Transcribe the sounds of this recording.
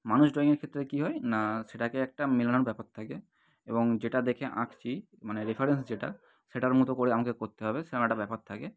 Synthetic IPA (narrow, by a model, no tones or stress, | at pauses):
manusɖɾɔĩŋeɾkʰet̪ːɾekiɦɔenaseʈakeɛk̚ʈamilañɔɾbɛpɔt̪t̪ʰːake | ebɔŋd͡ʑeʈad̪ekʰeʔã̰kʰt͡ɕʰi | maneɾipʰaɾensd͡ʑeʈa | seʈaɾmut̪okoɾeamakekoɾt̪eɦɔbeseʈaɛʈabɛpɔt̪̚t̪ʰake